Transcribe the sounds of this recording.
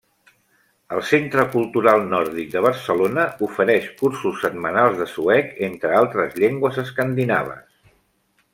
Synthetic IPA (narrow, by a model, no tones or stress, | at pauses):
əlˠsent̪ɾəkulˠt̪uɾalˠnɔɾðik̚d̪əβ̞əɾsəlonəufəɾɛʃkuɾsusːət̪̚mənalˠzðəsuɛkent̪ɾəalˠt̪ɾəzʎeŋɡwəzəskənd̪ina̰β̞ə̰s